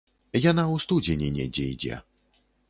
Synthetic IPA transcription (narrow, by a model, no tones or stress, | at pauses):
janawst̪ud͡zʲenʲɛnʲɛ̰d͡zʲɛ̰id͡zʲɛ̰